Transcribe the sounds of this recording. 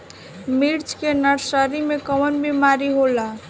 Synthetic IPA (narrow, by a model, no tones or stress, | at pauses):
miɾt͡ʃkenəɾsəɾimekəwənbimaɾiɦola